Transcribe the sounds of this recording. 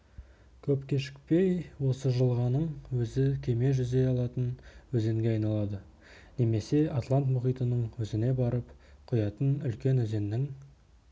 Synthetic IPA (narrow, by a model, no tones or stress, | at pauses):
kʲʰɵpkʲʰeʃɪ̥k̚pe̞jwo̞səʒəlˠʁɑnəɴwɵzɪkʲʰe̞me̞ʒʏze̞ɑlˠɑt̪ənwɵze̞ŋɡʲe̞ɑjnɑlˠɑd̪ə | ne̞me̞se̞at̪lˠant̪mʊχijt̪ənəɴwɵzɪne̞bɑɾəpqʰʊjɑt̪ənʏlkʲe̞nɵze̞nnɪŋ